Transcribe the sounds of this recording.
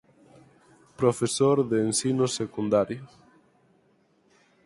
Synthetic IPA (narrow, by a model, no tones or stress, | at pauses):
pɾofesoɾðeːnsinʊsekund̪aɾjo